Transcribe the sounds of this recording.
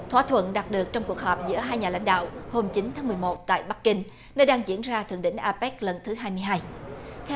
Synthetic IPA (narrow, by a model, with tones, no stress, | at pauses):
t̪ʰwaː˧˥t̪ʰwə̰˧˨nɗa˨˩t̚ɗɨ˨˩ək̚t͡ɕɔ˧wŋ͡mku˨˩ək̚hɔ˨˩p̚zɨ̰˧˥əɦaː˧jɲaː˨˩la̰˧˥jŋ̟ɗa̰ː˧˨who˧mt͡ɕi˨˦nt̪ʰaː˨˦m˨˩əjmo˨˩t̚t̪a̰ː˧˨jɓa˦˥k̚kːi˧ŋ | nəː˧jɗaː˧ŋzḭ˧˥ənzaː˧t̪ʰɨ̰˨˧˨əŋɗḭ˧˨ŋ̟ʔaː˧pɛ˦˥k̚lə˨˩nt̪ʰɨ˨˦ɦaː˧jmɨ˧əjɦaː˧jt̪ʰɛ˧